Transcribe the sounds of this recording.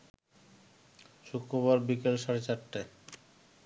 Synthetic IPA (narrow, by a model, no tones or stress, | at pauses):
ʃukɾoβaɾbikelʃaɾet͡ɕaʈːe